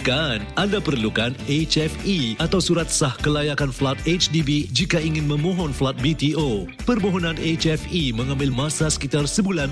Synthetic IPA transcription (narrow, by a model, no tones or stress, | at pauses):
kanʔandapərlukanet͡ʃɛfiat̪awsuɾat̪̚sahkəlajakanflat̪̚et͡ʃdibid͡ʒikaiŋɪnmə̃mɔ̃ɦɔnflat̪̚bit̪iʔo | pərmoɦɔnãnet͡ʃɛfimə̃ŋãmbɪlmãsasə̥kit̪arsəbulan